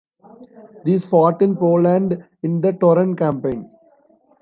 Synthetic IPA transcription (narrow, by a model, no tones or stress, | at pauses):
d̪iːzfɔːʈɪ̃npoːlãɳɖ | ɪ̃nd̪əʈɔːɾə̃nkãmpẽɪ̃n